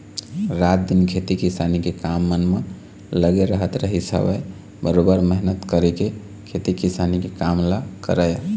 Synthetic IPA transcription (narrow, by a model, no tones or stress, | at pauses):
ɾat̪̚d̪inkʰet̪ikisanikekamːənme | ləɡeɾəɦət̪ɾəɦisə̰bə̰j | bəɾobəɾməɦnət̪kəɾeke | kʰet̪ikisanikekamlakə̰ɾəj